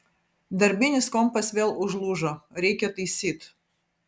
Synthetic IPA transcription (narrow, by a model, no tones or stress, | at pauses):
d̪ɐrbʲinʲɪskɔmpɐsʲvʲelˠʊʐlˠuʒɔɾʲekʲɛt̪ɨsʲit̪